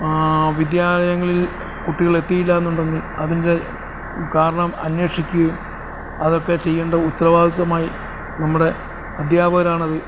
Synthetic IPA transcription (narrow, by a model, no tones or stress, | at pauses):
ʋid̪jaːlɐjɐŋːɐɭil | kuʈːiɣɐɭe̞t̪ːijilːaenːuɳɖe̞ŋɡilɐðinde̞ | kaːɾɐɳɐmɐnwe̞ːʂikʲːuɐum | ɐðo̞kːe̞t͡ɕe̞jːeːɳɖɐut̪ːɐrɐʋaːd̪iðɐmaːji | nɐmːuɽe̞ | ɐd̪ʱjaːbʱɐɾaːɳɐðɨ